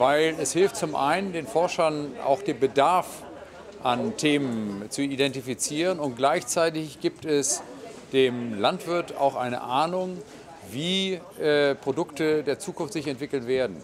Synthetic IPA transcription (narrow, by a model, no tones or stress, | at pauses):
vaɪlɛshɪlftt͡sʊmʔa̰ɪnəndeːnfɔɐʃɐnʔa̰ʊxd̥eːnbədaɐf | ʔantʰeːmənt͡suidɛntifit͡siːʁ̞ənʊnt̚ɡ̥laɪçt͡saɪtɪçɡ̥iːp̚tɛs | d̥eːmlantv̥ɪɐta̰ʊxʔaɪnə̰ʔaːnʊŋ | viːʔɛpʁ̥odʊktədeːɐt͡suːkʊnftz̥ɪçɛntv̥ɪkl̩nveːɐdn̩